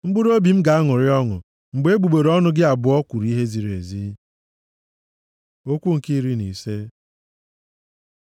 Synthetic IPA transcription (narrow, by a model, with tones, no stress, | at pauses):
ŋ͡m̩˦ɡ͡bʊ˦ɾo˦bi˨m̩˦ɡa˨a˦ŋʊ˨ɾɪ˦ɔ˦ŋʊ̰˨ | ŋ͡m̩˨ɡ͡be˨˦e˦ɡ͡bu˨ɡ͡be˨ɾɔ˦nʊ˦ɡɪ˦a˨bʊ˨˦ɔ˦kʷu˨ɾi˦ɦe˦zi˨ɾḛ˨zi˦ | o˦kʷu˦ŋ̩˨ki˦ɾi˦ni˨se˦